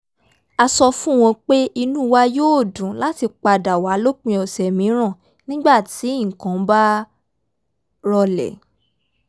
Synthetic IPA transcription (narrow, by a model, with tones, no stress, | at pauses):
a˧sɔ˧fũ˦˨w̃ɔ̃˧k͡pe˦i˧nũ˦wa˦joː˦˨dũ˨la˨˦ti˧k͡pa˧da˨wa˨˦lo˦k͡pĩ˧ɔ˨sɛ˨mĩ˨˦ɾ̃ã˦˨ | nĩ˦ɡ͡ba˦˨tĩ˨˦˨kã˨˦ba˦ | ɾɔ˧lɛ̰˨